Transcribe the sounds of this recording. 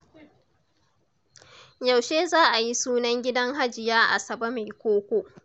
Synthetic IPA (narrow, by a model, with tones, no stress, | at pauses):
ja˨wʃeː˦zaː˦ʔa˨ji˦suː˦nɐ˦ŋɡʲɪ˦dɐ˦ŋɦa˦d͡ʒɪ˨jaː˦ʔa̰˨sɐ˨bɐ˦ma˨jkʷoː˦kʷoː˦ʔ